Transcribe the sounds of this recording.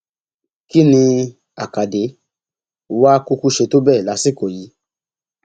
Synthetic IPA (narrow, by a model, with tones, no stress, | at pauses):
ki˦nĩ˧ | a˨ka˨de˨˦ | wa˦ku˦ku˦ʃe˧to˦bɛː˦˨la˨˧˦si˦˨ko˨ji˨˦